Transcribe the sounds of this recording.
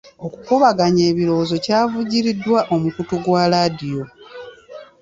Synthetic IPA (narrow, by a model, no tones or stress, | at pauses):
o̞kukuβaɡaɲe̞ːβilo̞ːzo̞caːvuɟiɾidwaʔo̞mukutuɡwalaːdijo̞